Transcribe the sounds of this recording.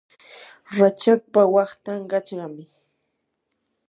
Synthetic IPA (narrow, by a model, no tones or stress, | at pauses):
ɾat͡ʃak̚pawɑχt̪aŋɢɑt͡ʃɢɑmɪ